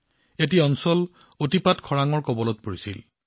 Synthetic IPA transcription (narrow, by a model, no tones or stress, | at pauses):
et̬iɔnsɔl | otipatkʰɔɹaŋɔɹkɔbɔlɔt̚poɹisḭl